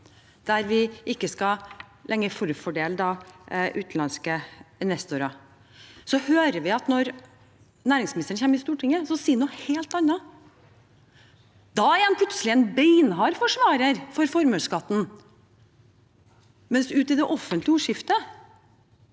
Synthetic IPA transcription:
d̪̥æɾʋɪʔɪkːəskɑlʔɛŋːəɾfɔɾəfɔɖeːləd̪ɑʔʉːt̪n̩ɑnskəɪnʋɛst̪ʊɾɑ | sɔhøːɾəʋɪɑt̪nɔɾ | næːɾɪŋsmɪnɪst̪əɳ̩çeːməɪst̪uːʈʰɪŋːəsɔsiːnuːheːlt̪ɑnːɑ | d̪̥ɑɾɛnpʰlʉt̪səlɪɛnbɛɪnɦɑɾfɔʂʋɑːɾəɾfɔɾfɔɾmœːskɑt̪ːn̩ | mɛnsʉːt̪ɪd̪ɛʔɔfːənt̪lɪuːʂɪft̪ə

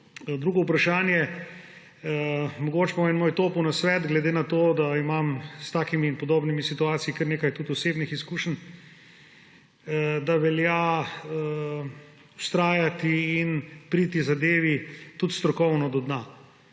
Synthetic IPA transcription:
d̪ɾuːɡɔupɾaʃaːnjɛ | mɔɡot͡ʃpamɛnmoːjt̪oːpuwnasʋɛːt̪ɡlɛd̪enat̪oːd̪aimamst̪aːkimiːnpɔd̪oːbnimisit̪uaːt̪sijikəɾneːkajt̪ut̪ɔseːbnixiskuːʃən | d̪aʋɛljaə | ust̪ɾaːjat̪iːnpɾiːt̪izad̪eːʋit̪ut̪st̪ɾɔkɔwnɔd̪ɔd̪na

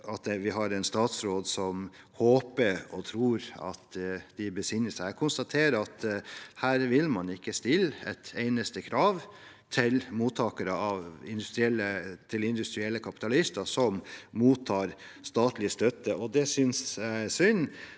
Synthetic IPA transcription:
ɑt̪ʋɪɦɑɾɛnst̪ɑːt̪sɾoːd̪sɔm | hoːpəɾɔt̪ʰɾuːɾɑ̰t̪d̪̥ɪbəsɪnːəsæɪkʰʊnst̪ɑt̪ʰeːɾəɑt̪hæːɾʋɪlmɑnɪkːəst̪ɪlːɛ̰t̪eɪnəst̪əkʰɾɑːʋ | t̪ʰɪlmuːt̪ʰːɑːkəɾəɑʋɪ̰nd̪ʉst̪ɾɪɛlːət̪ʰɪlɪnd̪ʉst̪ɾɪɛlːəkʰɑpɪ̥t̪ɑlɪst̪əsɔmmuːt̪ʰːɑːɾ | st̪ɑːt̪lɪəst̪œt̪ːəʔɔd̪ɛsʏnsæsʏnː

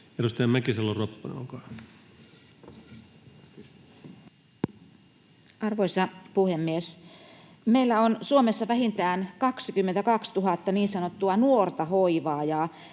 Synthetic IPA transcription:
erust̪ɑjæmmækiselːorropːɑnḛo̰ŋkɑ | ɑrʋoisɑpuhemːies | meilːæonsuomesːɑʋæhint̪æːnkɑksikymːent̪ækɑkst̪uɦɑt̪ːɑniːnsɑnot̪ːuɑnuort̪ɑɦoiʋɑːjɑ

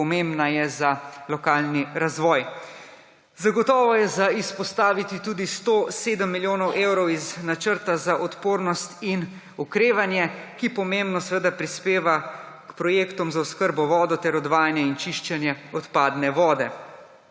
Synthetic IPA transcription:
ɔmembnajɛzalɔkaːlniɾazʋɔːj | zaɡɔt̪ɔːʋɔjɛzaispɔst̪aːʋit̪it̪uːd̪ist̪oseːd̪əmːiljoːnɔwʔewɾɔwiznat͡ʃəɾt̪azaʔɔt̪poːɾnɔst̪in | ukɾeːʋanjɛkipɔmembnɔsʋəd̪apɾispeːʋa | kpɾɔjeːkt̪ɔmzaɔskəɾbɔʋɔːd̪ɔt̪ɛɾɔd̪ʋaːjanjɛint͡ʃiʃt͡ʃɛnjɛɔt̪paːd̪nɛʋɔːd̪ɛ

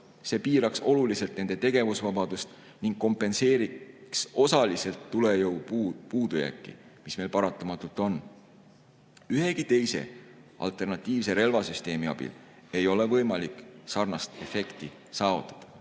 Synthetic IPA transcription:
se̞ːpiːɾɑkso̞lulise̞lt̪ne̞nd̪̥e̞t̪e̞ɡe̞vusvɑbɑd̪̥ust̪ | niŋɡ̥ko̞mpːˑe̞nse̞ːɾikso̞sɑlise̞lt̪ːule̞jɤwpuːd̪̥ujæ̰kːḭmisme̞jlpɑɾɑt̪ːˑɑmɑt̪ːˑult̪ˑo̞n | yhe̞kit̪e̞jse̞̰ʔɑ̰lt̪ˑe̞rnɑt̪ˑːiːvseɾe̞lvɑsyst̪e̞ːmiɑ̰b̥ḭle̞jo̞le̞vɤjmɑlikˑsɑrnɑst̪e̞fe̞kt̪i | sɑːvut̪ːˑɑ̥d̪̥ɑ̥

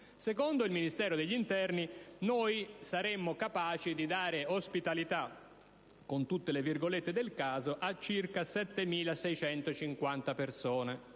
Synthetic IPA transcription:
sekond̪oilminist̪ɛːɾod̪eʎːint̪ɛrninoːjsaɾemːokapaːt͡ʃid̪id̪aːɾeospit̪alit̪a | kont̪ut̪ːelevirɡolet̪ːed̪elkaːzoʔat͡ʃːirkasɛt̪ːemiːlasɛjt͡ʃɛnt̪ot͡ʃiŋkwant̪apersoːne

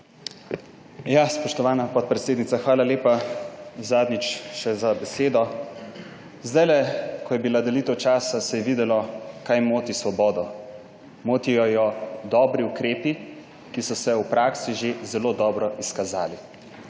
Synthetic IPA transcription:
jaspɔʃt̪ɔʋaːnapɔt̪̚pɾɛt̪seːd̪nit̪saxʋaːlaleːpa | zaːd̪nit͡ʃʃɛzabɛseːd̪ɔ | zd̪ajlɛkɔjɛbilad̪ɛliːt̪ɛwt͡ʃaːsasɛjɛʋiːd̪ɛlɔkajmoːt̪isʋɔbɔːd̪ɔ | moːt̪ijɔjɔd̪ɔːbɾiukɾeːpi | kisɔsɛwpɾaːksiʒezɛloːd̪ɔːbɾɔʔiskazaːli

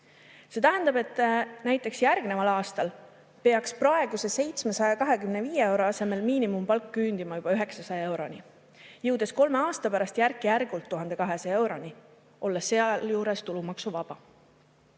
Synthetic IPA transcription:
set̪æɦend̪ɑbe̞t̪ːˑnæjt̪ːˑe̞ksjærɡne̞vɑlɑːst̪ɑl | pe̞ɑksprɑe̞ɡ̥use̞se̞jt̪smesɑjɑkɑɦe̞kymneviːjee̞wɾo̞ɑse̞me̞lmiːnimumpɑlkːyːnd̪̥imɑjub̥ɑyɦe̞ksɑsɑjɑe̞wɾo̞ni | jɤwd̪e̞sko̞lme̞ɑːst̪ɑpæɾɑst̪jærkːˑijærɡ̥ult̪ːuɦɑnd̪e̞kɑɦe̞sɑe̞wɾo̞nʲi | ʔo̞lːeseɑljuːɾest̪ulumɑksuvɑb̥ɑ

